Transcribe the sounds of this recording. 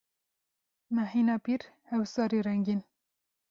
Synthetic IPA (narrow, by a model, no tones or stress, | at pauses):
nahiːnɑːpiːɾhɛwsɑːɾiɾɛŋɡin